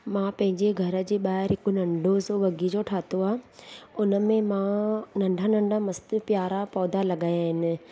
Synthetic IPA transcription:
mãːpɐ̃ɦɪ̃ɲd͡ʑeɡʱɐɾə̆d͡ʑeːɓaːɦɪɾɦɪkʊnɐ̃ɳɖʱosoʋɐɡid͡ʑoːʈʰaːt̪oaːʊnəmẽmãnɐ̃ɳɖʱanɐ̃ɳɖʱamɐst̪ɪpjaːɾapɔːd̪ʱalɐɠaːjaːɦɪnɪ̆

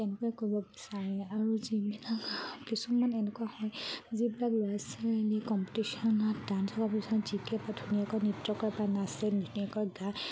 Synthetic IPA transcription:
tɛnɛkɔɛkoɹibɔbisaɹɛaɹuzibilakkisɔmanɛnɛkuahɔjzibilaklojasaɹnikɔmpitisɔnatdantʰɔkapiszikɛpadʱuniakɔjnitːɔkɔɹpanasɛnuniakɔjɡa

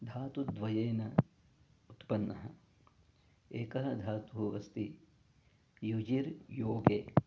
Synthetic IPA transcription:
d̪ʱaːt̪ud̪ʋɐjeːnɐ | ut̪pɐnːɐɦɐ̰ | eːkɐɦɐd̪ʱaːt̪uɦuʋɐst̪i | jud͡ʒiɾjoːɡeː

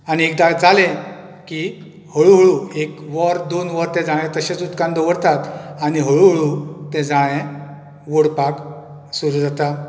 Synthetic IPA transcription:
aniek̚d̪ad͡zalẽ | ki | həɭuɦəɭuekʋəɾd̪onʋəɾt̪ẽd͡zaɭ̃ẽt̪əɕet͡sut̪kand̪əʋəɾt̪at̪aniɦəɭuɦəɭut̪ɛ̃d͡zaɭ̃ẽ | ʋoɽpak | suɾud͡zat̪a

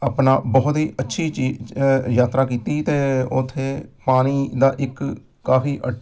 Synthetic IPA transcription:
aːpnaːbɔːʊt̪ɦiːʔətːʃʰiːt͡ʃiːjaːt̪ɾaːkiːt̪iːt̪eːʊt̪ʰːeːpaːniːd̪aːʔɪkː | aːfiːʔə

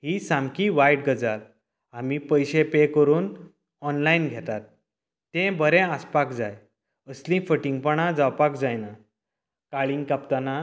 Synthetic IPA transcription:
ɦisãmkiʋajɖɡəd͡zal | amipəjɕepekəɾuːn | ɔnlainɡʱet̪at̪ː | ẽbəɾẽaspakd͡zaj | əslĩfəʈĩŋɡ̚pəɳ̃ãd͡zawpakd͡zajna | kaɭĩŋɡkapt̪ana

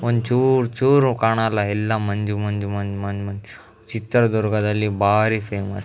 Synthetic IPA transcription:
ʋənt͡ɕuɾt͡ʃuɾkaɽ̃alaɦilːamənd͡ʒumənd͡ʒumənmənmən | t͡ɕit̪ːəɾd̪ɔɾɡad̪alibaɾifemə̰s

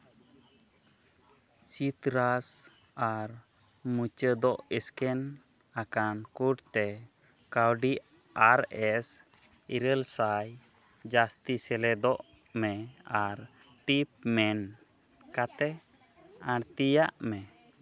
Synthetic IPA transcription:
sit̪ɾas | aɾ | mut͡ʃəd̪ɔʔɛskɛn | akankuɖt̪ɛ | kawɖi | aɾɛs | iɾəlsaj | d͡ʒast̪isɛlɛd̪ɔʔ | mɛaɾ | ʈip̚mɛn | kat̪ɛ | ãɾt̪ijaʔmɛ

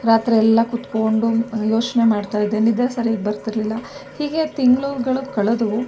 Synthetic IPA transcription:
ɾaːt̪ɾiɛlːɐkut̪ko̞ɳɖujo̞ːt͡ʃne̞maːɖt̪aːjid̪ːeːnid̪ɐlsɐɾiːɡbɐɾt̪iɾɐlilːɐhiːɡe̞t̪iŋɡɭuːʋɡɐɭukɐɭɐd̪uu

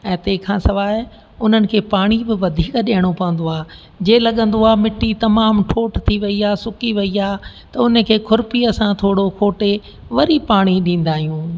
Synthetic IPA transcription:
ɛ̃ːt̪eːkʰãːsɐʋaː | ʊn̤ənɪ̆kʰeːpaːɽ̃ibɪʋɐd̪ʱiːkɗeːəɽ̃opɐʋə̃nd̪oaː | d͡ʑeːlɐɠə̃n̆d̪oaːmɪʈːit̪ɐmaːmʈʰoːʈt̪ʰiʋɐiaːsʊkiʋɐiaː | t̪ɐʊnə̆kʰeːkʰʊɾpiɐsãt̪ʰoːɽokʰoːʈe | ʋɐɾipaːɽ̃iɗĩːn̆d̪aːɦijũː

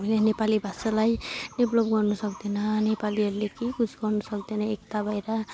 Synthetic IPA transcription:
lenepalibʱasalajneblʌbɡʌrnusʌkd̪enʌnepaliʌɾulekikut͡sʰɡʌrnusʌkd̪enʌekt̪abʱajɾa

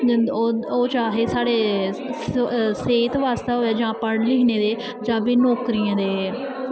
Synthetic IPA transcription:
oːt͡ʃaːɦeːsaːɽeː | seːt̪ʋaːst̪aːɦoːaːd͡ʒãːpəɽlɪːneːd̪eː | d͡ʒãːʋiːnoːkɾijãːd̪eː

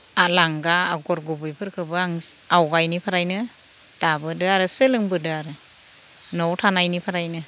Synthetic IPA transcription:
alaŋɡaːɡɔɾɡubɯjpʰɯɾkʰɯbɯaŋawɡajnipʰaɾajnɯ | d̥abɯdɯaɾɯsɯlɯŋbɯdɯaɾɯ | nɔwtʰanajnipʰaɾajnɯ

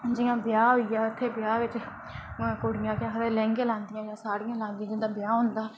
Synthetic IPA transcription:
d͡ʒɪjãːbɪjaːɦoːijaːʊt̪ʰːeːbɪjaːʋɪt͡ʃ | koːɽɪjãːkɪjãːkʰəɾeːlɛ̃ːŋɡẽːlãːnd̪ɪjãːd͡ʒjãːsaːɽijãːlãːnd̪ijãːd͡ʒɪ̃nd̪aːbɪjaːɦʊ̃nd̪aː

